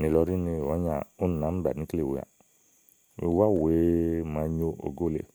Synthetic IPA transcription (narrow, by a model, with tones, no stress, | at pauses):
ni˨˧lɔ˧ɾi˦ni˧˨ɔ˨˦ɲa˧˨u˦n˨na˨˦m̩˦ba̰˨ni˦kle˦˨wḛ˧˨a̰˨ | i˧wa˦˨we˨˦ma˧ɲo˧o̰˨ɡo˦˨lḛ˧˨